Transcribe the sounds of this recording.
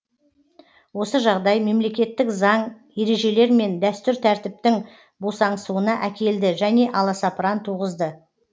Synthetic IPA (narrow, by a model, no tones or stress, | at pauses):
wo̞səʒɑʁd̪ɑjme̞mle̞kʲe̞t̪ːɪkzɑɴ | je̞ɾe̞ʒe̞le̞ɾme̞nd̪æst̪ʏɾt̪ʰæɾt̪ɪp̚t̪ɪŋ | bosɑɴsuənɑʔækʲe̞ld̪ɪʒæne̞ʔɑlˠɑsɑpəɾɑnt̪ʰuʁəzd̪ə